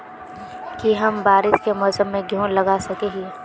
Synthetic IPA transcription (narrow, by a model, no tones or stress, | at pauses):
kiɦɐmbaːɾɪʃkemʊsəmːẽɡʱjũːlɐɡasɐkeːɦi